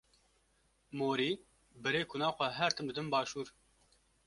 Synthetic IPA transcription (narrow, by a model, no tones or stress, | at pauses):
moːɾiː | bɛɾeːkʰʊnɑːxʷɛɦɛɾt̪ʰɨmd̪ɨd̪ɨnbɑːʃuːɾ